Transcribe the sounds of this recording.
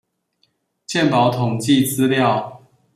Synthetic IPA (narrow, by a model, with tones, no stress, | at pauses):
t͡ɕjɛ˥˨npɑ˨˦ʊt̪ʰʊ˨˩ŋt͡ɕi˥˨t͡sɹ̩˦ljɑ˥˨ʊ